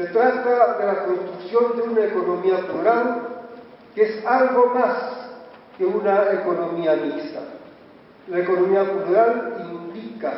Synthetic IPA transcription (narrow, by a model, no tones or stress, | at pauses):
se̞t̪ɾat̪aðe̞lako̞nst̪ɾuksjo̞nd̪eunaeko̞no̞miapluɾal | keesalɣo̞mas | ke̞unaeko̞no̞miamist̪a̰ | laeko̞no̞miapuluɾalimplika